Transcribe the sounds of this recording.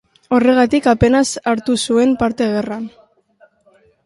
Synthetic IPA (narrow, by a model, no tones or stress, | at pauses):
o̞re̞ɣ̞at̪ikape̞nasaɾt̪usue̞mpaɾt̪e̞ɣ̞e̞ran